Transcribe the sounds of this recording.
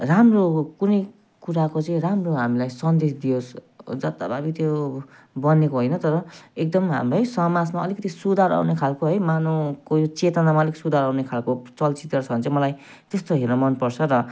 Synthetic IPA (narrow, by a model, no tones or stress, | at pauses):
ramrokunʌj | kuɾakot͡sʌĩramroɦamilajsʌnd̪esd̪ios | d͡zʌt̪ababit̪jo | bʌnekoɦojnʌt̪ʌɾʌek̚d̪ʌmɦa̰mrʌjsʌmad͡zmaʌlikʌt̪isud̪ʱaɾa̰wnekʰalkoɦʌjmanokojot͡set̪ʌnamaliksud̪ʱaɾawnekʰalkot͡sʌlt͡sit̪rʌt͡sʰʌnt͡sʌ̃mʌlaj | t̪est̪oɦernʌmʌnpʌrt͡sʰʌɾʌ